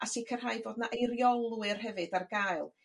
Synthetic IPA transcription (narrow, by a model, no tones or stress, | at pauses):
asikʰər̥ɦaːjboːdnaʔejrjɔlˠwɨrɦɛvɨdarɡaɨlˠ